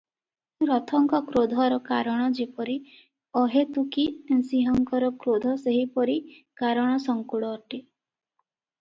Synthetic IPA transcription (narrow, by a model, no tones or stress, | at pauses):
ɾɔt̪ʰɔŋkɔkɾod̪ʱɔɾɔkaɾɔɽ̃ɔd͡ʒipɔɾi | ɔɦet̪ukisiɦɔŋkɔɾɔkɾod̪ʱɔseɦipɔɾikaɾɔɽ̃ɔsɔŋkuɽɔːʈi